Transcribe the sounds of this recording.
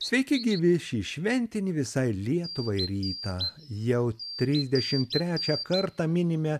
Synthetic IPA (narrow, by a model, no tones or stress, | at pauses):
sʲʋʲɛɪkʲɪɡʲiːʋʲɪʃʲiːʃʲʋʲɛnʲt̪ʲɪnʲiʋʲɪsɐɪlʲiɛt̪ʊʋɐɪɾʲiːt̪ɐ | jɛʊt̪ʲɾʲɪzʲd̪ʲɛʃʲɪmt̪ʲɾʲæːt͡ʃʲɛkɐɾt̪ɑmʲɪnʲɪmʲɛ